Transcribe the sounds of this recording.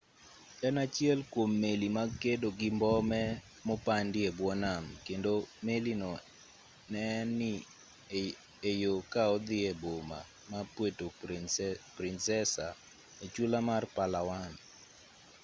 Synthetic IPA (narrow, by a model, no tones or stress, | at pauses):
ɛnat͡ʃjɛlkwomːelimakedoɡɪmbɔmɛ | mopandɪebwɔnamkendomelinɔ | nɛnɪ | ejokaɔd̪ɪɛboma̰ | mapweto | pɾɪnsɛsa | et͡ʃulamarpalawan